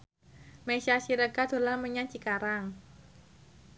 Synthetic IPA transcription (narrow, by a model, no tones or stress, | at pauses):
mesasiɾəɡad̪̥o̤laməɲat͡ʃikaɾaŋ